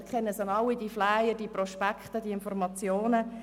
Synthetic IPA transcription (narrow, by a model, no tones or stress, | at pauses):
kʰχɛnːəsɑnɑwid̥iflajəd̥iprɔʃpakχtədiɪnfɔrmɑt͡sjoːnə